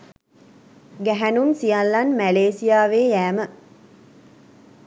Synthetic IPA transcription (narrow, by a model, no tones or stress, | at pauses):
ɡæɦænunsijalːanmæleːsijaːʋeːjæːmə